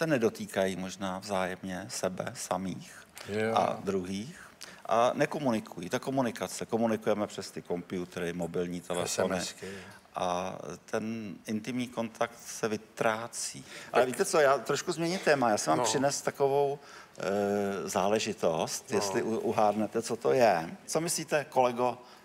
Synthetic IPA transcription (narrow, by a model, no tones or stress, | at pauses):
sɛnɛdo̞t̪iːkajiːmo̞ʒnaːvzaːjɛmɲɛsɛbɛ̰samiːxʔa̰d̪ɾuɦiːxʔa̰nɛko̞munɪkʰujit̪ako̞munɪkat͡sɛko̞munɪkujɛmɛpr̝̥ɛst̪ɪko̞mpɪut̪ɾɪmo̞bɪlɲiːt̪ʰɛlɛ̰fonɪ | ʔa̰t̪ʰɛnʔɪnt̪ɪmɲiːko̞nt̪akt̪sɛvɪt̪ɾaːt͡siːʔalɛvit̪ɛt͡so̞jaːt̪ɾoʃkuzmɲɛɲɪt̪ɛːmajaːsɪmaːmpr̥ɪnɛst̪ako̞vo̞w | zaːlɛʒɪt̪o̞st̪jɛst̪lɪʔʔuɦaːdnɛt̪ɛt͡sot̪ojɛt͡so̞mɪsliːt̪ɛko̞lɛɡo̞